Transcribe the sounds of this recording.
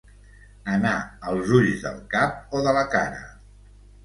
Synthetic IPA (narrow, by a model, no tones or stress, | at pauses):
ənaəlˠzuʎzðə̰lˠkap̚oðələkaɾə̰